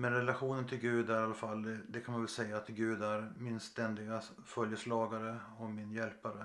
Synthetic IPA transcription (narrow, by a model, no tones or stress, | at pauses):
mɛnɾɛlaɧuːnənt̪ʰɪlɡʉ̟ːd̪æɾalːafalːɛd̪ɛkʰanmanvɛlsɛjːaːt̪ɡʉ̟ːd̪æɾmɪnst̪ɛnd̪ɪɡa | fœljəslɑːɡaɾəɔmɪnjɛlpaɾə